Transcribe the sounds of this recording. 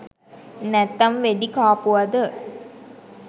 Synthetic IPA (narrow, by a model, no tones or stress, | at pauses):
nɛt̪ːɐmʋeɖikaːpuʋɐd̪ə